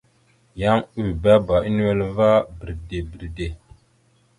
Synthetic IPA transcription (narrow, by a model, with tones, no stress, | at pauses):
ja˦ŋu˦˨ba˦ba˨ʔi˦n˦we˨lva˦bi˨ɾde˨bi˨ɾde˨